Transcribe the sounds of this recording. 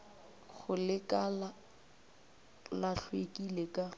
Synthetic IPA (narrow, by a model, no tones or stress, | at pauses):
ɣʊlɪkʼala | laɬʰwekʼilekʼa